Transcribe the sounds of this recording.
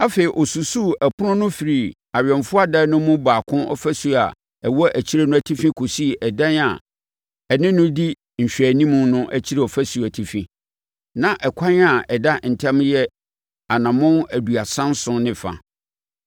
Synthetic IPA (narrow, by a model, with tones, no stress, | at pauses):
a˦fe˨i˨ʔɔ˨su˨su˦˨æ˨pʰʊ˦nʊ̃˦nʊ̃˦fi˨ɾi˨ | a˨ɥᶣɛ̃˨nfʊ˦a˦da˦nʊ̃˦mʊ̃˦baː˨kʰʊ̃˦nɔ̰˦fæ˦su˨a˨ | ɛ˨wɔ˦ʔæ˨t͡ɕʰi˦ɾe˦nʊ̃˦æ˨tʰi˦fĩ˦kʰo˨si˦˨ʔɛ˨dã˦na̰˨ | ɛ˨nɪ̃˦nʊ̃˦di˦ | ɲ̩˨ɕᶣæ˨nĩ˦mʊ̃˨nʊ̃˦ʔæ˦t͡ɕʰi˦ɾe˨ɔ˨fæ˦su˨æ˨tʰi˨fĩ˦ | nã˨ʔɛ˨kʷʰã˦n˦a˨ʔɛ˨da˦˨n̩˨tʰã˦mjɛ˦ | a˨nã˨mʊ̃˦næ˨du˨a˨sã˦n˦sʊ̃˦nɪ̃˨fa̰˨